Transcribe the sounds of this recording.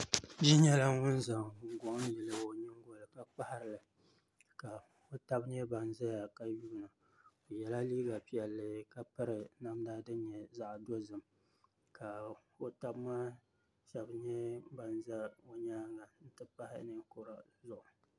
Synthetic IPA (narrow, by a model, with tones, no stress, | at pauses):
ʒi˦ɲɛ˦la˦ŋʊ˦nza˨ŋ˨ŋ̩˨ɡɔ˨ʔn˦jɛ˨lɨ˦o˨ɲɨ˦ŋ˦ɡo˦lɨ˨ka˨k͡pa˦ha˦ɾɨ˨lɨ˨ | ka˨ | o˦ta˦bɲɛ˦ba˨nza˦ja˨ka˦juː˦nɨ˨ | o˨jɛ˨la˦liː˦ɡa˨pi˦ɛ˨lːɨ˦ka˨pɨ˦ɾɨ˨na˦mdaː˦dɨ˦n˦ɲɛ˨za˦ʔdo˦zɨ˨m | ka˨o˦ta˦bmaː˦ | ʃɛ˨bɲɛ˦ba˨nza˦o˦ɲaː˦ŋa˨n̩˦tɨ˦pa˦hɪ̰˦nɨ˦ŋ˦kʊ˨ɾa˨ | zʊ˦ʔʊ˨